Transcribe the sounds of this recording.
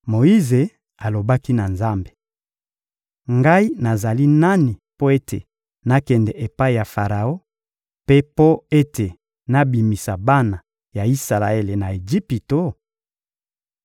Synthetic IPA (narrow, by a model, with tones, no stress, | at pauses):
mo˨i˦ze˨ | a˨lo˨ba˦ki˦na˨nza˦mbe̥˨ | ŋɡa˦i˦na˨za˨li˦na˦ni˨po˦e˦te˨ | na˦kɛ˨ndɛ˨ʔe˨pa˦i˨ja˨fa˨ʁa˨o˦ | pe˦po˦e˦te˨ | na˦bi˨mi˨sa˨ba˦na˨ | ja˨i˦sa˨la̰˨e˦le˨na˨e˨d͡ʒi˦pi˨to˦